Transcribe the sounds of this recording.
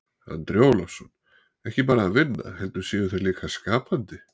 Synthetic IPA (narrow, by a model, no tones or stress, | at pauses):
a̰nt̪ɾjoːwlafsɔn | ɛhcɪpaːɾaːðvɪnːa̰hɛlt̪ʏɾ̥sjɛːɣʏθeliːkʰaskaːpant̪ɪ